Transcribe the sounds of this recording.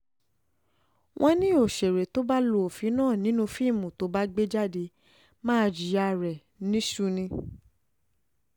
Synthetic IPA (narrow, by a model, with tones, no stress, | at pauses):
wʔɔ̃˧nĩ˦o˨ʃe˨ɾe˨to˦ba˦lo˧o˨fi˨˦nãː˦˨nĩ˨˦nũ˧fi˦˨mũ˨to˨˦ba˦ɡ͡be˦d͡ʒa˦˨de˧˦ | mãː˦˧d͡ʒi˨a˧ɾɛ˨ | nĩ˨˦ʃu˦nĩ˧